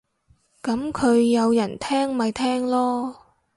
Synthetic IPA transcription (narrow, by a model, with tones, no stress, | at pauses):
kɐ˨˥mkʰɵ˨˧ɥːɐ˨˧wjɐ˨˩nt̪ʰɛː˥ŋmɐ˨˧jt̪ʰɛː˥ŋlɔː˥